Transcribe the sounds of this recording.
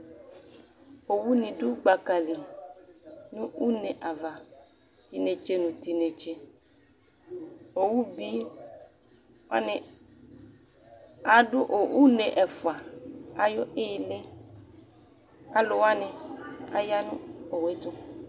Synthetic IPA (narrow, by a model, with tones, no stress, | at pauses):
o˨wu˦nĩ˨dʊ˦ɡ͡ba˨ka˨li˨ | nʊ̃˦u˦ne˨ʔa˨va˨ | t̪i˨ne˨t͡ʃe˦nũ˨t̪i˨ne˨t͡ʃe˦ | o˨wu˦bi˦ | a̰˦nɪ˨ | a˨dʊ˦ʔo˨u˦ne˨ʔɛ˨fʊ˨a˨a˨jɔ˦ʔɪ˦˨le˦ | a˦lʊ˨wa˦nɪ˨a̰˨ja˦nʊ̃˦o˨we˦t̪ʊ˦